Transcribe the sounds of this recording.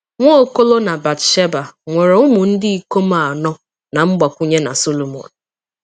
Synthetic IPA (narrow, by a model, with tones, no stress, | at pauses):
ŋʷo˦ko˦lo˦na˨ba˨tʃe˦ba˨ŋʷe˨ɾe˨ʊ˦mʊ˨n̩˦dɪ˦i˨ko˦ma˦˨a˨nɔ˦ | na˨m̩˦ɡ͡ba˨kʷu˦ɲe˦na̰˨so˦lo˨mɔ̰˨n̩˨